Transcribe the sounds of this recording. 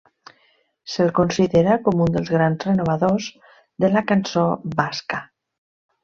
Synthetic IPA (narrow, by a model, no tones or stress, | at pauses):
selkonsiðeɾakomund̪əlˠzɣɾanzrenoβ̞aðoz | ðəlakansobaska